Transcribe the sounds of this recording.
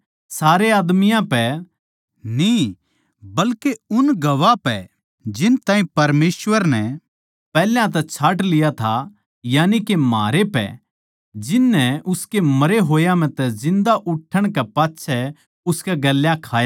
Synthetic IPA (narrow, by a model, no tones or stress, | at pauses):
saːɾeaːd̪mɪjãpɛ | ni | bɐlkeʊnɡɐʋapɛ̰ | d͡ʒɪnt̪ãːĩpɐɾmeːʃʋəɾnɛ | pɛːljãt̪̬ɛt͡ʃʰaːʈlɪjat̪ʰa | jaːnikemaːɾepɛ̰ | d͡ʒɪnːɛʊskemɐɾeɦoːjãm̤ɛ̃t̪ɛzɪ̃nd̪aʔʊʈʰːəɽ̃kɛpaːtːʃʰɛ | ʊskɛɡɐlːjãkʰaːja